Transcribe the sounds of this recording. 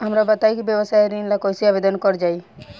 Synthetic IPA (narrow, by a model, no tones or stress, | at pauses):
amɾabat̪ajkibjebosajɾinlakojsiabed̪ɔnkɔɾd͡ʒaj